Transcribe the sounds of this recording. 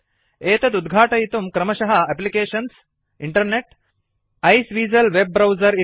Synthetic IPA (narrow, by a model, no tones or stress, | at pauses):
eːt̪ɐt̪ud̪ɡʱaːʈɐjit̪umkɾɐmɐʃɐɦɐɐplikeːʃɐns | iɳʈɐɾneʈ | ɐjsʋiːzɐlʋeb̚ːɾɐwzɐɾi